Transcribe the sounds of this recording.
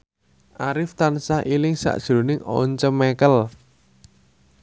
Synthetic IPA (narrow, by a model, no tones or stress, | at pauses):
ʔaɾɪft̪ansahʔilɪŋsa̰ʔd̥ʒ̥ɾo̤nɪŋɔ̰ɲt͡ʃəmekəl